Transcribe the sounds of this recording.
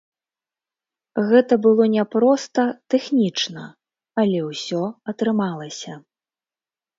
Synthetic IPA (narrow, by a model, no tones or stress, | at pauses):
ɣɛt̪ɐbɨlˠɔnʲɛpɾɔst̪ɐt̪ɛxnʲit͡ʂnɐ | ɐlʲɛwsʲɔɐt̪ɾɨmalˠɐsʲɐ